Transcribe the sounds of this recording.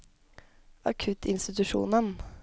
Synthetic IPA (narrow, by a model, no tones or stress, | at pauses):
ɑkʰʉt̪ʰɪnst̪ɪt̪ʉʂṵːnən